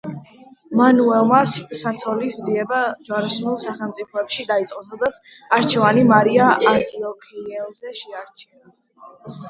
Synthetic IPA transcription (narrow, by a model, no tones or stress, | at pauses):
manuɛlˠmassat̪sʰɔlisziɛbad͡ʒwaɾasmɛlˠsaχɛlˠmt̪sʼipʰɔɛpʃid̪ait̪sʼqʼɔt̪ʰɔd̪at̪sʰ | aɾt͡ʃʰɛvanimaɾiaʔant̪ʼiɔkʰiɛlˠzɛʃɛaɾt͡ʃʰina